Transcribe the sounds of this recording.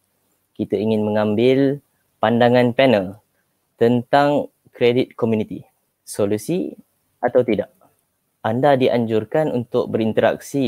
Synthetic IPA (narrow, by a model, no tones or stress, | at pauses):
kit̪aiŋɪnmə̃ŋãmbɪl | pandaŋãnpɛnəl | t̪ənt̪aŋ | kɾedɪt̪̚komjunit̪i | solusi | ʔat̪awt̪idaʔ | andadiʔa̰ɲd͡ʒurkanunt̪ʊk̚bəɾint̪əɾa̰k̚si